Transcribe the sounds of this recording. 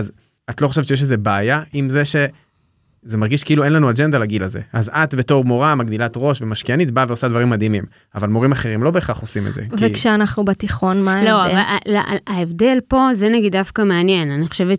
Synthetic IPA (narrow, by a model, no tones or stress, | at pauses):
az | at̪lo̞χoʃett͡ʃejeʃleze̞baːjaʔimzeʃe̞ | zemaʁɡiʃkiiluenlanuad͡ʒend̪alaɡilazḛʔazat̪be̞to̞ʁmo̞ʁamaɡd̪ilat̪ʁo̞ʃvemaʃkianit̚baveo̞sad̪vaʁimːad̪imim | avalmo̞ʁimaχe̞ʁimlo̞beːχaχo̞simetzḛkvekʃeanaχnubat̪iχo̞nmaloavala̰aevde̞lpo̞zeneɡid̪ːafkameanje̞naniχoʃe̞vet